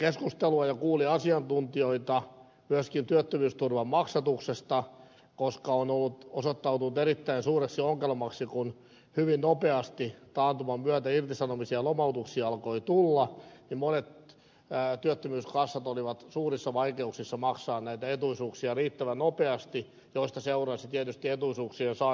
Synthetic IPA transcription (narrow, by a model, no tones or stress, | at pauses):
keskust̪eluɑjɑkuːliɑsiɑnt̪unt̪ioit̪ɑ | myøskint̪yøt̪ːømyːst̪urʋɑmːɑksɑt̪uksest̪ɑ | koskɑonolːut̪osot̪ːɑut̪unut̪eɾit̪ːæinsuːreksioŋkelmɑksikun | hyʋinnopeɑst̪it̪ɑːnt̪umɑmyæt̪æirt̪isɑnomisiɑlomɑut̪uksiɑlkoit̪ulːɑnimmonet̪ː | t̪yøt̪ːømyːskɑsːɑt̪oliʋɑt̪suːrisːɑʋɑikeuksisːɑmɑksɑːnnæit̪æet̪uisuːksiɑriːt̪ːæʋænopeɑst̪i | joist̪ɑseurɑsit̪iet̪yst̪iet̪uisuːksiensɑ